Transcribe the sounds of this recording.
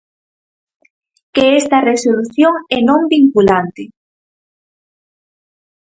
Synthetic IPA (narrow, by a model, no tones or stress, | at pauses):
keɛst̪ɐresoluθjoŋɛnõmbiŋkulant̪ɪ